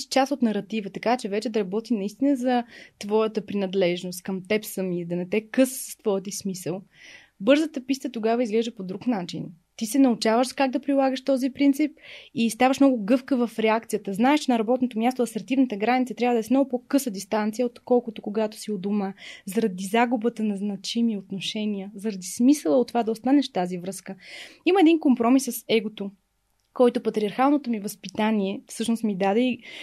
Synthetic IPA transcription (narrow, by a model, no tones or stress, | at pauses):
ʃt͡ʃasot̪nɐɾɐt̪ivət̪ɐkat͡ʃɛvɛt͡ʃɛd̪ɐɾɐbɔt̪inɐist̪inəzɐt̪vɔjət̪əpɾinɐd̪lɛʒnost̪̚kɐmt̪ɛpsəmid̪ɐnɛt̪ɛkɤsst̪vɔjt̪̬ismisəlˠ | bɤɾzət̪əpist̪ət̪oɡavəizɡlɛʒd̪əpod̪ɾuknat͡ʃḭn | t̪isɛnɐut͡ʃavəʃzɐkaɡ̚d̪ɐpɾilˠaɡəʃt̪ɔzipɾint̪sipist̪avəʃmnɔɡʊɡɤfkəvɐfɾɛak̚t̪sijət̪əznaɛʃt͡ʃɛnɐɾɐbɔt̪not̪omʲjast̪oɐsɛɾt̪ivnət̪əɡɾanit̪sət̪ɾʲavəd̪ɛsmnɔɡʊpɔkɤsəd̪ist̪ant̪sijəot̪kɔlˠkʊt̪okoɡat̪o̥siod̪omazɐɾɐd̪izaɡubət̪ənɐznɐt͡ʃimiot̪noʃɛniəzɐɾɐd̪ismisəlˠəot̪ːvad̪ɐost̪anɛʃft̪azivɾɤskəiməɛd̪inkompɾɔmisːɐsɛɡot̪o | kɔjt̪opɐt̪ɾʲiɐɾxalˠnot̪omivɐspit̪anʲiɛfsɤʃnost̪mid̪ad̪ɛi